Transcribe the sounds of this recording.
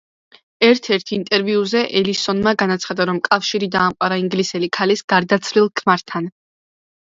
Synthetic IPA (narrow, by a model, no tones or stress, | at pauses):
ɛɾt̪ʰɛɾt̪ʰint̪ʼɛɾviuzɛʔɛlisɔnmaɡanat̪sʰχad̪aɾɔmkʼafʃiɾid̪aːmqʼwaɾaiŋɡlisɛlikʰalisɡ̥aɾd̪at̪sʰlilˠkʰmaɾt̪ʰan